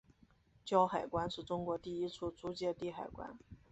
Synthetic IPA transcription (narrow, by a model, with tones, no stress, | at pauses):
t͡ɕjɑ˥ʊxa˨˩ɪkwa˥nʂɻ̩˥˩ʈ͡ʂʊ˥ŋkwɔ˧˥t̪i˥˩i˥t͡sʰu˥˩t͡su˧˥t͡ɕjɛ˥˧t̪i˥˩xa˨˩ɪkwa̰˥n